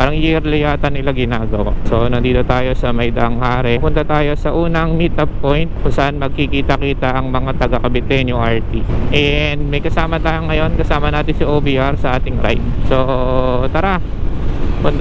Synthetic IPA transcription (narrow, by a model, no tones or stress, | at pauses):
paːɾɐŋjiɾlɪjaːt̪ɐnːɪlaɡɪnaːɡɐwa̰so̞nɐnd̪iːd̪ɐwt̪aːjo̞sɐmɐjd̪ɐʔɐŋhaːɾɛpʊnt̪ɐt̪aːjo̞sɐʔuːnɐŋmit̪ʔɐppːojnt̪̚kʊŋsɐʔanmɐɡ̚kɪkiːt̪ɐkiːt̪ɐʔɐŋmɐŋat̪ɐɡɐkɐbɪt̪ɛnjʊŋʔaɹt̪iʔɛnd̪̚mɐjkɐsaːmɐt̪aːjoŋːɐjo̞nkɐsaːmɐnaːt̪ɪnsɐʔoːbiʔaɾsɐʔaːt̪ɪŋɾa̰jnso̞t̪ɐɾa | pʊnt̪